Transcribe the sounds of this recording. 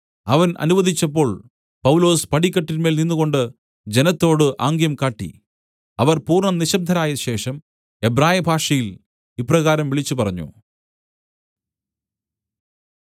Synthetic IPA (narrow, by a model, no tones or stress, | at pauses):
ɐʋɐnʔɐ̰nuʋɐd̪ʱit͡ɕːɐpːo̞ːɭ | pɐwlo̞ːspɐʈikʲːɐʈːinme̞ːlninːuɣo̞ɳɖɨ | d͡ʑe̞nɐt̪ːo̞ːɽɨʔaːŋɡjɐmkaːʈːḭ | ɐʋɐrpuːrɳɐniɕɐb̚d̪ʱɐnaːjɐɕe̞ːʂɐm | e̞bɾaːjɐbʱaːʂɐjil | ipːrɐɣaːɾɐmʋiɭit͡ɕːupɐrɐɲːṵ